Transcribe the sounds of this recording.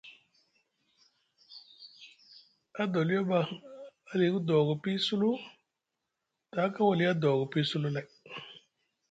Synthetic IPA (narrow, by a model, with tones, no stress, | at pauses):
a˦do˨li˦ja˦ba˨a˨li˨˦ku˦do˨ɡo˨pi˦su˦lu˦ | ta˨˦ka˦wa˨li˦a˦do˨ɡo˨pi˦su˦lu˦la˨j